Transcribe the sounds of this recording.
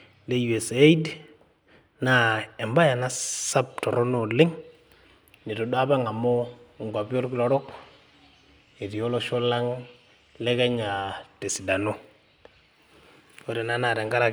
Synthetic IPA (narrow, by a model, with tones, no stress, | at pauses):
le˦ju˨e˨se˦i˦d | na˦e˨mba˦ja˨na˦sa˦p̚tɔ˨ɾo˦no˨lɪ˦ŋ | ni˨to˨da˦ba˦ŋa˨mɔ˦˨ŋɡa˨bjo˦ɾki˦lɔ˨ɾɔ˦k | i˨ɾi˨jo˦lo˦ʃo˦la˦ŋ | le˦ka˦ɲa˨te˨si˨da˨no˦ | o˦ɾe˨na˦na˨ɾe˨ŋɡa˦ɾa˦